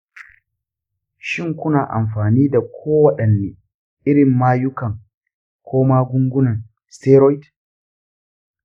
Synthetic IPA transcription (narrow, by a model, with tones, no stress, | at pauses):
ʃɪ˦ŋkʷʊ˦naː˨ʔa̰˨mɸaː˨niː˦da˨kʷʰoː˦wɐ˦ɗɐ˨nːeː˨ | ʔɪ˦ɽɪ˨mːaː˦jʊ˦kɐ˨ŋ | kʷʰoː˦maː˦ɡʷʊ˦ŋɡʷʊ˦nɐ˨ŋ | stɛː˦ɾɔ˦jt